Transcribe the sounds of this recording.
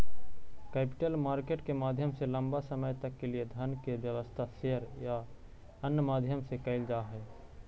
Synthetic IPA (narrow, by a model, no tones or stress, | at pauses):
kɛːpɪ̥ʈəlmaːɾkeːʈkemaːd̪ʱjəmselə̃mbasəməjt̪əkːelied̪ʱənkebjəʋəst̪ʰaseɦəɾja | ənjəmaːd̪ʱjəmsekəɪld͡ʒaːɦɛː